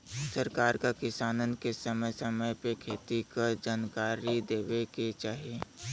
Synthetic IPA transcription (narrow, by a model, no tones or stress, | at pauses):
səɾkaːɾkakɪsaːnənkesəməjsəməjpekʰeːt̪ikad͡ʒaːnkaːɾid̪eːweket͡ʃaːɦie